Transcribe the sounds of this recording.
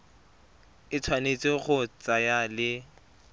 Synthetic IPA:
ɪt͡sʰwanet͡sʼɪχʊt͡sʼajalɪ

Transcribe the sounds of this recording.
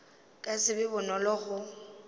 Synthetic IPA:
kʼasɪbɪbʊnɔlɔɣʊ

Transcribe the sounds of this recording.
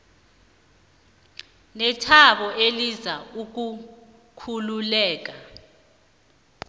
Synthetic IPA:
nɛtʰaɓɔʔelizauk̬u | kʰululɛːk̬a

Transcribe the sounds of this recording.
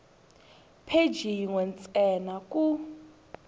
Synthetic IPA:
pʰe̥d͡ʒiŋɔnt͡sʼɛnakʼu

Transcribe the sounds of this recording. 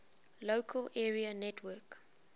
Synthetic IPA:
lokʰəlʔɛːɹiənɛtʰwəːk

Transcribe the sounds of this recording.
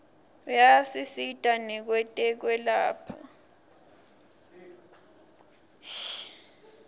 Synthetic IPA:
ujasisitʼanɛk̬wɛtʼɛk̬wɛlaːpʰa

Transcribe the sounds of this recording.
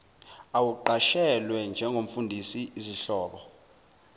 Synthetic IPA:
awuǃaʃɛlwɛnd͡ʒʱɛŋɡʱom̩fundʱisiiziɬɔːɓɔ

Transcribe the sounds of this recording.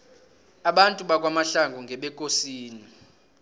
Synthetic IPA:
aɓantʼuɓak̬ʼwamaɬaŋɡʱɔŋɡʱɛɓɛkʼosiːni

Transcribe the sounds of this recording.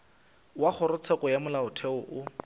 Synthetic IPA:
waχʊɾʊt͡sʰɛkʼɔjamʊlaʊtʰɛʊʔʊ

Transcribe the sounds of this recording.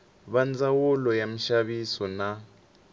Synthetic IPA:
ɓand͡zawulɔjam̩ʃaɓisɔna

